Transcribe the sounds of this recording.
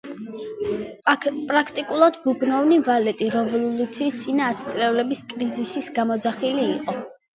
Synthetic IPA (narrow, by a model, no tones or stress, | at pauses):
pʼɾakʰt̪ʼikʼulˠad̪ɡubnɔvnivalɛt̪ʼiɾɛvɔlˠlˠut̪sʰiːst̪sʼinaːt̪st̪ʼɾɛvlɛbiskʼɾizisisɡamɔd̪zaχiliːqʼɔ